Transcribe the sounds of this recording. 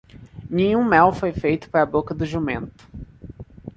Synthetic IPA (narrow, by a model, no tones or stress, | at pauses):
nẽɲũmɛwfojfejt̪ʊ̥paɾɐbokɐd̪ʊʒumḛ̃nt̪ʊ̥